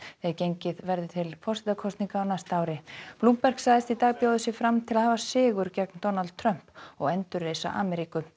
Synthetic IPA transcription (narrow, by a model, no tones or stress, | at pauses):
θɛɾcejɲcɪðvɛɾðɪt̪ʰɪlfɔr̥sɪt̪akʰɔst̪niŋkaːwnast̪aːwɾɪpluːmpɛr̥ksaːðɪst̪it̪aːɣpjoːwðʏsjɪɣfɾamt̪ʰɪlaðhavasɪːɣʏɾcɛknt̪ɔnalt̪̚t̪ʰɾœm̥pɔɣɛnt̪ʏrːeːjsa̰ʔa̰ːmɛɾiːkʏ